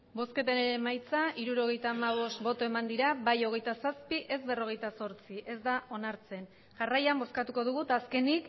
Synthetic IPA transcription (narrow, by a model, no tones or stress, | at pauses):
bo̞ske̞t̪eneɾemajt͡saʔiɾuɾo̞ɣ̞e̞jt̪aːmaβ̞o̞st̪bo̞t̪o̞e̞mand̪iɾabajo̞ɣ̞e̞jt̪asaspiʔe̞zβe̞ro̞ɣ̞e̞jt̪aso̞ɾt͡siʔe̞zd̪ao̞naɾt͡se̞n | ʝarajambo̞skat̪uko̞ð̞uɣ̞ut̪aːske̞nik